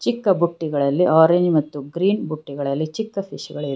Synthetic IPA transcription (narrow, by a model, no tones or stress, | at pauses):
t͡ʃikːɐbuʈːiɡɐɭɐlːiʔaːɾeɲd͡ʒmɐt̪ːuɡɾiːnbuʈːiɡɐɭɐlːit͡ʃikːɐpʰiʃɡɐɭi